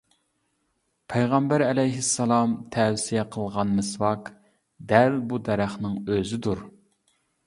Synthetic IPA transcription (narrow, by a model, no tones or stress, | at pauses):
pʰɛjʁɑmbæɾɛlɛjɦɪsːɑlˠɑmt̪ʰɛwsijɛqʰəlˠʁɑnmɪswɑk | d̪ælbud̪ɛɾæχnɨŋøzɪd̪uɾ